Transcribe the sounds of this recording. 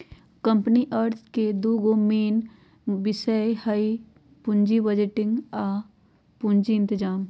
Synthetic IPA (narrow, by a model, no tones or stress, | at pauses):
kə̃mpniʔəɾt̪ʰked̪uːɡomeːn | bɪsəehɐi | pʊ̃ɲd͡ʒibəd͡ʒɪʈɪ̃ŋɡaː | pʊɲd͡ʒiɪ̃nt̪ɪd͡ʒaːm